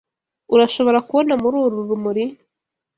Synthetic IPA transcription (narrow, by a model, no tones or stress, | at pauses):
uɾaʃo̞βo̞ɾakuβo̞namuɾuːɾuɾumuɾi